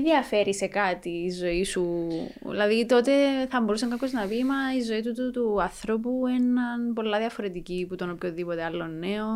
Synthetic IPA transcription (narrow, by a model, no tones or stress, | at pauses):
ðiɐfe̞ɾise̞kɐt̪iːzo̞isuḭlɐðit̪o̞t̪e̞θɐbo̞ɾusɐŋkɐpço̞znɐpimɐizo̞it̪ut̪ut̪uɐθɾo̞p̬ue̞nɐnpo̞lːɐðjɐfo̞ɾe̞t̪iciput̪onopçonðipo̞t̪eɐlːo̞nːe̞o